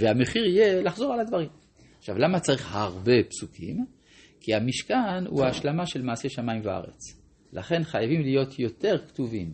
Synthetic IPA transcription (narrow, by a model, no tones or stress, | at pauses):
veameχiʁijelaχzo̞ʁalad̪vaʁim | χʃavlamat͡saʁiχhaʁbe̞psukʰim | kiamiʃkanṵaːʃlamaʃe̞lmaːse̞ʃamaimvaa̰ʁḛt͡s | la̰χe̞nχajavimlijo̞t̪ʰjo̞te̞ʁktuvim